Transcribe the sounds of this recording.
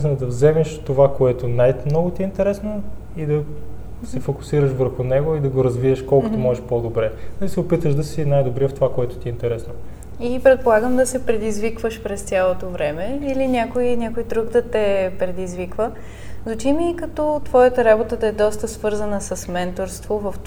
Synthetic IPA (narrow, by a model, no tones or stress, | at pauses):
snɐd̪ɐvzɛmɛʃt̪ovakoɛt̪onajmnɔɡot̪iːnt̪ɛɾɛsno | id̪ɐ | sɛfokʊ̥siɾəʃvəɾxʊnɛɡʊid̪ɐɡoɾɐzvivəʃkɔlˠkott̪omɔʒɛʃpod̪obɾɛnɐlisɛopit̪əʃd̪ɐsinajd̪obɾɛft̪ovakoɛt̪ʊ̥t̪ʲiːnt̪ɛɾɛsno | ipɾɛt̪̚polˠaɡəmd̪ɐsɛpɾɛd̪izvikvəʃpɾɛst̪ʲjalˠot̪ovɾɛmɛilinʲakoinʲakojd̪ɾuɡd̪ɐt̪ɛpɾɛd̪izvikvə | zɐt͡ʃimiːkɐt̪ɔt̪v̥ɔjət̪əɾabot̪əd̪ɐɛd̪ɔst̪əsvɤɾzənəsəsmɛnt̪oɾst̪vovɐf